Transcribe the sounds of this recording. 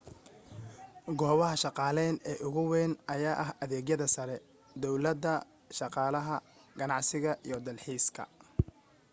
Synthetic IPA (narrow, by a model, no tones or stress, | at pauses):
ɡɔːβɐɦɐʃɑqɑːlɛːnɛːʔʊɣʊwɛːnɐjaːʔɐɦɐðɛːɣjɐðɐsɐɾɛ | d̪ɔwlɐd̪ɐ | ʃɑqɑːlɐɦɐ | ɡɐnɑʕsɪɣɐḭjɔd̪ɐlħiːskʰɐ̰